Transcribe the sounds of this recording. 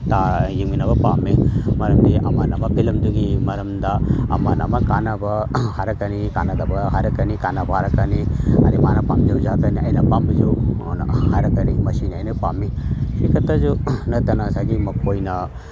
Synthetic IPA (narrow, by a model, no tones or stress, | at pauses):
t̪ajiminɐbɐpamːimɐɾɐmdiɐ̰manɐmɐbʱilɐmd̪uɡimɐɾɐmd̪aɐ̰manɐ̰mɐkanabɐhaɾɐkɐnikanɐd̪abɐɦaɾɐkɐnikanabɐɦaɾɐkɐniɐ̰ɾimanɐpamd͡ʒuzakɐniɐ̰jnɐpambid͡ʒu | haɾɐkɐnimɐsinia̰jnɐpamːisikʰɐt̪ad͡ʒunɐt̪ɐnasaɡimɐkojnɐ